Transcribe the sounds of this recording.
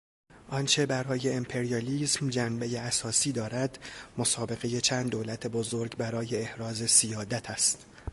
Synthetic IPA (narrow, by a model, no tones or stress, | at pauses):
ʔɒnt͡ʃʰe̞bæɾɒːje̞impʰe̞ɾijɒliːsmd͡ʒænbe̞je̞æsɒːsiːd̪ɒːɾæd̪̥mosɒːbe̞ɣe̞je̞t͡ʃʰæːnd̪ːoːlæt̪ʰe̞bozoɾɡbæɾɒːje̞ːhɾɒːze̞sijɒːd̪æt̪ʰæst̪